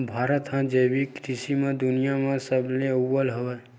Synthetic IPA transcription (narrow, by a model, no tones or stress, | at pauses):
bʱaːɾət̪ɦãd͡ʒeːbikɾɪsimẽd̪ʊnijamãsəbleəːəlɦoʋe